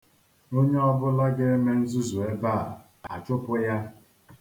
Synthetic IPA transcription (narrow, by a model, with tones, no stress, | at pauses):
o˦ɲe˦ɔ˦bʊ˦la˦ɡe˦e˦me˦n̩˦zu˦zu˨e˦ba˦˨ | a̰˨t͡ʃʊ˦pʊ˦ja˦